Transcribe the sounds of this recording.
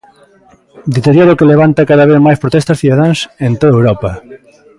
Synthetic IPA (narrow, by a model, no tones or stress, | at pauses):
d̪it̪eɾjoɾokeleβ̞ant̪akaðaβeθmajspɾot̪ɛst̪ɐsθiðaðaŋsent̪oðɐewɾɔpɐ